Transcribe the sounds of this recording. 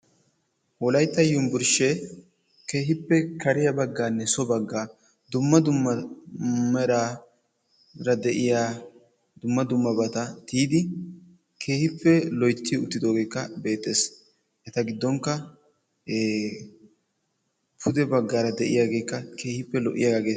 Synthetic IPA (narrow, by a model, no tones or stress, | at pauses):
wɔlɐjt̪ːɐjːʊmbʊɾʃɛ | ke̞ːɦɪpːɛkɐɾɪjɐbɐɡːaːnːɛsɔbɐɡːaː | d̪ʊmːɐd̪ʊmːɐ | ɛɾa | ɾɐd̪ɛʔɪjaː | d̪ʊmːɐd̪ʊmːɐbɐt̪ɐt̪iːd̪ɪ | kʰe̞ːhɪpːɛlɔjt̪ːiʊt̪ːɪd̪o̞ːɡe̞ːkːɐbe̞ːt̪ʼːe̞ːs | ʔɛt̪ɐɡɪd̪ːɔŋkːɐː | pʰʊd̪ɛbɐɡːaːɾɐd̪ɛʔɪ̰jaːɡe̞ːkːɐkʰe̞ːhɪpːɛlɔʔɪ̰jaɡaɡeː